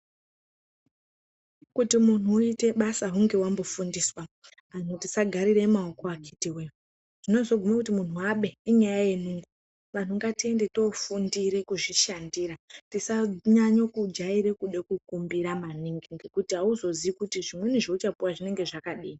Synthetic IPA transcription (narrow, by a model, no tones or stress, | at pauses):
kutimun̤uite̞ɓasaɦuŋɡe̞wambofundiswa | anutisaɡʱaɾiremao̞ko̞aki̥tiwe | ʐ̥ino̞zo̞ɡʱumekutimun̤uwaɓe̞iɲajaje̞nuːŋɡu | ʋan̤uŋɡatie̞nde̞to̞fundiɾe̞kuʐiʃandiɾatisaɲaɲokud͡ʒaiɾe̞kuɗekukumbiɾamaniŋɡiŋɡekutiɦauzo̞ziikutiʐimwe̞niʐeut͡ʃapuwaʐine̞ŋɡe̞ʐakaɗiːi